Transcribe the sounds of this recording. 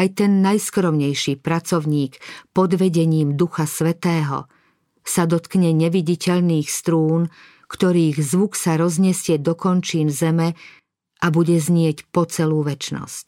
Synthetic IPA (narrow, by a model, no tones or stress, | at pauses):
ajt̪ɛnːajskɾɔmɲɛjʃipɾat͡sɔʊɲiːkpɔd̪ʋɛɟɛɲiːmd̪uxasʋɛt̪ɛːɦɔ̰ | sad̪ɔt̪kɲɛɲɛʋiɟicɛʎniːxst̪ɾuːn | kt̪ɔɾiːɣzʋuksaɾɔzɲɛsɪɛd̪ɔkɔnt͡ʃiːnzɛmɛ | ʔabuɟɛzɲɪɛcpɔt͡sɛluːʋɛt͡ʃnɔ̰sc̚